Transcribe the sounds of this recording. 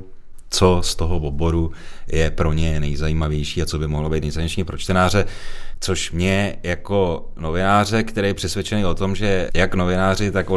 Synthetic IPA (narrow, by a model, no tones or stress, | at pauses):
t͡so̞st̪o̞ɦovobo̞ɾujɛpɾo̞ɲɛnɛjzajiːmavjɛjʃiːat͡so̞bɪmoɦlobejt̪njzajɲɛʃɲipɾo̞t͡ʃt̪ɛnaːr̝ɛt͡so̞ʃmɲɛjako̞ | no̞vɪnaːr̝ɛkt̪ɛɾejɛpr̝̥ɛsvʲjɛt͡ʃɛnejo̞t̪o̞mʒɛjakno̞vɪnaːr̝ɪt̪ako